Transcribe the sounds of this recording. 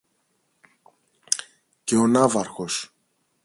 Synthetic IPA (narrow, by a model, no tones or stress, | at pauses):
ceonɐvɐɾxos